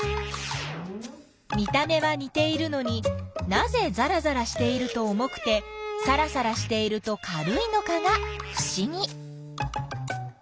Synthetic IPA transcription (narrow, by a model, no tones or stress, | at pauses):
mʲit̪ame̞βaɲ̟it̪e̞iɾɯ̟no̞ɲ̟inaze̞zaɾazaɾaɕi̥t̪e̞iɾɯ̟t̪o̞ːmo̞kɯ̟̥t̪e̞saɾasaɾaɕi̥t̪e̞iɾɯ̟t̪o̞kʰaɾɯ̟ino̞kaɡaɸɯ̟̥ɕiɲ̟i